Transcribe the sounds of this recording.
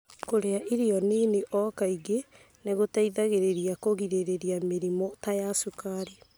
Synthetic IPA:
koɾeaʔiɾiɔneneʔɔkaiɡe | neɣotaiðaɣeɾeɾiakoɣiɾeɾeɾiameɾimɔtajasukaɾi

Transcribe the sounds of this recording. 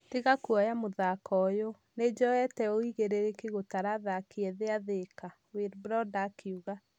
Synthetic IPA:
teɣakuɔjamoðakɔjo | ned͡ʒɔɛtɛoiɣeɾeɾekeɣotaɾaðakeɛðeaðeka | weɾbɾɔdakʰeuɣa

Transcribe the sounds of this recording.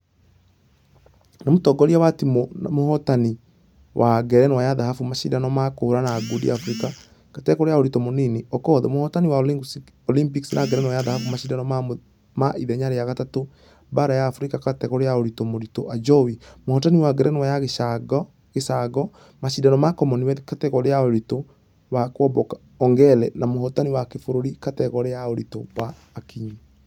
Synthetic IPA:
namotɔɡɔɾiawatimomohɔtani | wʔaɡɛɾɛnwajaðahafumaʃḭdanɔmakooɾanaɡudḭa̰fuɾika | katɛkoɾejaoɾitomoniniɔkɔðɛ̰mohɔtaniwa | ɔlimpiksinʔaɡɛɾɛnwajaðahafumaʃidanɔma | maʔiðɛɲaɾejaɣatato | baɾajaːfuɾikakatɛkɔɾejaoɾitomoɾitoʔad͡ʒɔwimohɔtaniwaɡɛɾɛnwajaɣeʃaɡɔ | ɣesaɡɔ | maʃidanɔmakɔmɔniwɛkatɛkɔɾejaoɾito | wakwɔbɔkḁ | ɔŋɡɛlɛnamohɔtaniwakefoɾoɾikatɛkɔɾejaoɾitowaː | kiɲi

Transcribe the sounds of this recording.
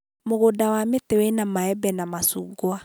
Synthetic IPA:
moɣodawametewɛnamaɛbɛnamasṵːɡwa

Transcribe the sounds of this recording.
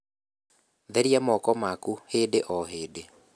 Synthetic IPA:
ðɛɾiamɔkɔmakuheːdeʔɔɦeːde

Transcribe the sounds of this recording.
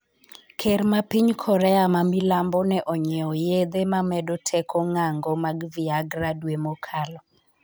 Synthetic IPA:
kʰermapiɲkʰɔɾɛamamilambɔnɛʔɔɲɛɔjed̪emamɛdɔtʰɛkʰɔŋaŋɡɔmaɡviaɡradwemɔkʰalɔ

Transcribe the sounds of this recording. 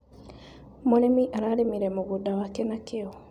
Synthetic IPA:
moɾemiʔaɾaɾemiɾɛmoɣudawakɛnakeɔ

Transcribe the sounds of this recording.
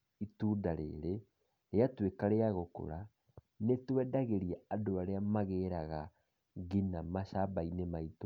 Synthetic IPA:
itudaɾḛːɾe | ɾeatwekaɾeaɣoko̰ɾa | netwɛdaɣeɾiɛadoaɾeamaɣeɾaɣa | ɡinamaʃabainemaito

